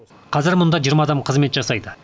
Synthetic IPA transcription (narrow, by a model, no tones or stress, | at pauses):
qʰɑzɪɾmʊnd̪ɑʒijəɾmɑːd̪ɑmqʰəzme̞t̪ʒɑsɑjd̪ə